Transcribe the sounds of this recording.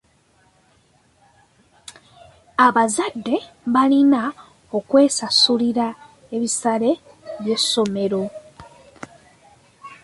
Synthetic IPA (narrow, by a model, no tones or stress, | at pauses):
aβazadːe̞ | βalina | o̞kwe̞ːsasuliɾa | eβisale̞ | βje̞sːo̞me̞ɾo̞